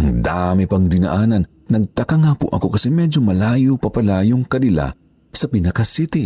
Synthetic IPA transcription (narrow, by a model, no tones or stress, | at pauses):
ʔɐŋd̪amɛpɐŋd̪ɪnɐ̰ʔaːnɐn | nɐɡ̚t̪ɐkaŋaːpʊʔɐ̰ko̞kɐsɛmɛd͡ʒomɐlaːjopɐpɐlaːjoŋkɐnɪla̰ | sɐpɪnɐkɐsit̪i